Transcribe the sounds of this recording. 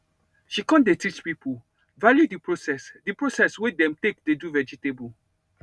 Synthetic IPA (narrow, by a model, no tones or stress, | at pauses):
ʃikɔ̃ndetit͡ʃpipʰul | valjudipɹosɛsdipɹosɛswedɛ̃mtekdeduvɛd͡ʒitebu